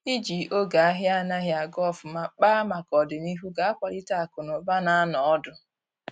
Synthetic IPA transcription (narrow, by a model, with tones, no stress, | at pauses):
i˦d͡ʒi˨ʔo˦ɡa˨a˦ɦja˦na˦ɦja˨ɡɔ˦˨fʊ˨ma˦k͡paː˦ma˨kɔ˨dɪ˨mi˦ɦu˦ɡa˨a˦kʷa˨ɾi˦ta˦a˨kʊ˨nʊ˨ba˦na˦a˦nɔ˨ɔ˦dʊ˨